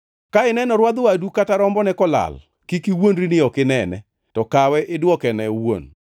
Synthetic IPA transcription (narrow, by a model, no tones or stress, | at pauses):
kaɪnɛnɔɾwad̪ʊadukataɾɔmbɔnɛkɔla̰l | kikiwonɾinɪɔkɪnɛnɛ̰ | tɔkawɛʔɪdwɔkɛnɛwo̰n